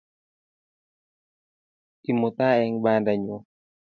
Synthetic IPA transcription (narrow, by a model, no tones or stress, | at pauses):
timot̪aɛŋbandaɲo